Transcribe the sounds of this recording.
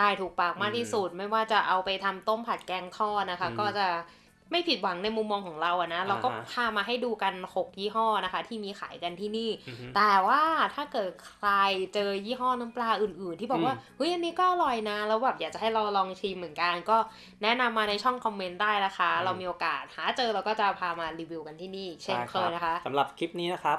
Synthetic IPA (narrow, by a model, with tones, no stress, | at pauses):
t̪aː˧˩jt̪ʰuː˨˩k̚paː˨˩k̚maː˥˩k̚t̪ʰiː˥˩su˨˩t̪̚ma˥˩jwaː˥˩t͡ɕa˨˩ʔa˧wpa˧jt̪ʰa˧mt̪o˥˩mpʰa˨˩t̪̚kɛː˥˩ŋt̪ʰɔː˥˩na˦˥kʰa˦˥kɔː˥˩t͡ɕa˨˩ | ma˥˩jpʰi˨˩t̪̚wa˩˦ŋna˧jmu˧mːɔː˧ŋkʰɔː˩˦ŋɾa˧wʔa˨˩na˦˥ɾa˧wkɔː˥˩pʰaː˧˩maː˧ɦa˥˩jduː˧ka˧nho˨˩k̚jiː˥˩ɦɔː˥˩na˦˥kʰa˦˥t̪ʰiː˥˩miː˧xʰa̰ː˩˦jka˧nt̪ʰiː˥˩niː˥˩t̪ɛː˨˩waː˥˩t̪ʰaː˥˩kɤː˨˩t̪̚kʰɾa˧jt͡ɕɤː˧jiː˥˩ɦɔː˥˩na˦˥mplaː˧ʔɯː˨˩nʔɯː˨˩nt̪iː˥˩bɔː˨˩k̚waː˥˩ʔɤ˦˥jʔa˧nːiː˦˥kɔː˥˩ʔa˨˩ɾɔ˨˩jna˦˥lɛ˦˥wbɛː˨˩p̚jaː˨˩k̚t͡ɕa˨˩ha˥˩jɾa˧wlɔː˧ŋt͡ɕ̪ʰi˧mːɯ˩˦nka˧nkɔː˥˩ | nɛ˦˥na˧mːaː˧na˧jt͡ɕʰɔ˥˩ŋkʰɔ˧mːe˦˥ndaː˥˩jna˦˥kʰa˦˥ɾa˧wmiː˧ʔoː˧kaː˨˩t̪̚haː˩˦t͡ɕɤː˧ɾa˧wkɔː˥˩t͡ɕa˨˩pʰaː˧maː˧ɾiː˧wi˧wka˧nt̪ʰiː˥˩niː˥˩t͡ɕʰe˥˩kʰlɤː˧na˦˥kʰa˦˥ʔsa˨˦ɾa˨˩p̚kʰi˦˥p̚niː˦˥na˦˥kʰa˦˥p̚